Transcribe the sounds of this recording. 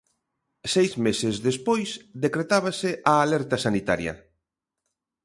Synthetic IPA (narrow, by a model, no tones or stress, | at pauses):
sejzmesezðespojsðekɾet̪aβasɪʔaːlɛɾt̪ɐsanit̪a̰ɾjɐ̰